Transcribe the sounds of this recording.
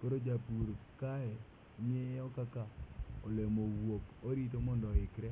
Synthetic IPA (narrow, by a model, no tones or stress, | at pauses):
koɾod͡ʒapuɾkaɛ | ɲɛɔkakaɔlemowokoɾit̬omɔndɔɪkɾɛ